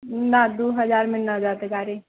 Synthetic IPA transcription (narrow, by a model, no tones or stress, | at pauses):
nad̪oːɦɐd͡ʒaːɾmɪ̃nːad͡ʒaːt̪eɡaːɾe